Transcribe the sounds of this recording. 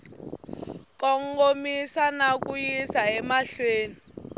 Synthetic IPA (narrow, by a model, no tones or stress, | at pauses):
kɔŋɡomisanak̬ʼujisaɛmaɬweːni